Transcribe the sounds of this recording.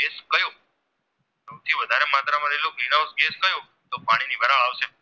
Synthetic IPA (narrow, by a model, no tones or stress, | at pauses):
ɡeskəjo | səw̃t̪ʰiʋəd̪ʱaɾemat̪ɾamaɾelokniñaosɡeskəjo | t̪opaɽ̃inibʱəɾaɭaʋʃe